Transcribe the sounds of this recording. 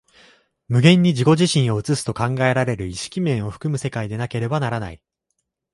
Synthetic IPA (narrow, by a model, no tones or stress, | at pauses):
mɯ̟ɡẽ̞ɲ̟ːid͡ʑiko̞ʑiɕĩɰ̃o̞ɯ̟t͡sɨsɨ̥t̪o̞kãŋɡae̞ɾaɾe̞ɾɯ̟iɕi̥kʲimẽ̞ɰ̃o̞ɸɯ̟̥kɯ̟mɯ̟se̞kaid̪e̞nake̞ɾe̞banaɾana̰i